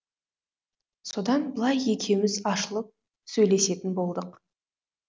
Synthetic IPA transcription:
so̞d̪ɑnbəlˠɑje̞kʲʰe̞mɪzɑʃəlˠəp̚ | sɵjle̞se̞t̪ɪnbo̞lˠd̪əq

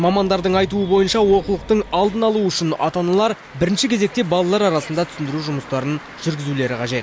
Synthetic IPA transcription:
mɑmɑnd̪ɑɾd̪əɴɑjt̪uəbo̞jənʃɑwo̞qulˠəq̚t̪əɴɑlˠd̪ənɑlˠuʏʃɪnɑ̰t̪ɑnɑlˠɑɾ | bɪɾɪnʃɪkʲʰe̞ze̞k̚t̪e̞bɑlˠɑlˠɑɾɑɾɑsənd̪ɑt̪ʰʏ̥sɪnd̪ɪɾuʒʊməst̪ɑɾən | ʒ̥ʏɾɡʲɪzule̞ɾɪqʰɑʒe̞t̪

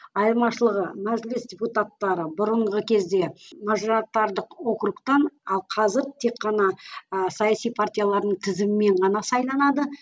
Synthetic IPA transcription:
ɑjlˠmɑʃəlˠəʁəmæʒlɪsdʲeput̪at̪ːɑɾəbʊɾəɴʁəkʲʰe̞zd̪e̞mɑʒoɾɑt̪ːɑɾd̪əqwo̞kɾukt̪ɑnɑlˠqʰɑzɪɾt̪ʰe̞kːɑnɑsɑjasijpʰart̪ʲijalˠɑɾd̪əɴt̪ʰɪzɪmɪme̞ɴʁɑnɑsɑjlˠɑnɑd̪ə

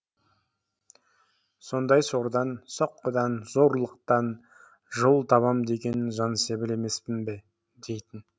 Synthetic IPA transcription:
so̞nd̪ɑjso̞ɾd̪ɑnsoqːəd̪ɑnzo̞ɾlˠəq̚t̪ɑn | ʒolˠt̪ʰɑβɑmd̪e̞ɡʲe̞nɪnʒɑnse̞bɪle̞me̞spɪnbe | d̪e̞jt̪ɪn

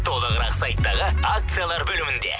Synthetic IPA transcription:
t̪ʰo̞lˠəʁəɾɑqsajt̪ːɑʁəak̚t̪sɨjalˠɑɾbɵlɪmɪnd̪ḛ

